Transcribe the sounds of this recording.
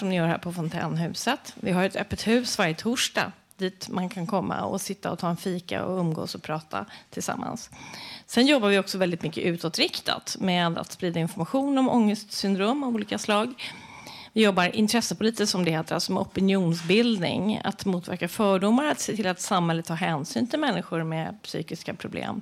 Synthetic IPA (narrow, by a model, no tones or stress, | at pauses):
ʂɔmnɪjœːɾhæ̰ːɾpʰɔfɔnt̪ʰɛ̰ːnɦʉ̟ːsət̪vɪɦaɾɛt̪œːpːət̪hʉ̟ːsvaɾjət̪ʰuːʂʈɑ̰ː | d̪̥iːt̪mankʰankʰɔmːa̰ɔ̰sɪt̪ːa̰ɔ̰t̪ʰɑːɛnfiːka̰ɔ̰ɵmːɡo̰ːsɔpʰɾɑːt̪ʰa̰t̪ʰɪlsa̰mːa̰nssɛnjɔbːavɪɔksɔvɛld̪ɪt̪mʏkːəʔʉ̟ːt̪ɔt̪ɾɪkt̪ʰa̰t̪mɛd̪a̰t̪spɾiːd̪aɪnfɔɾmaɧuːnɔmɔŋːəst̪sʏnd̪ɾoːmɔuːliːkaslɑːɡ | vɪjɔbːaɾʔɪnt̪ʰɾɛsːəpʰʊliːt̪ɪsɔmd̪ɛheːt̪əɾa̰lsɔmɛɔpɪnjuːnsbɪld̪nɪ̰ŋa̰t̪muːt̪væ̰ɾkafœːɖʊmːaɾat̪seːt̪ʰɪlat̪samhɛlət̪ʰːɑːɦɛːnsy̰ːnt̪ʰɪlmɛnːɪɧʊɾmɛpsy̰ːkɪskapʰɾʊblḛːm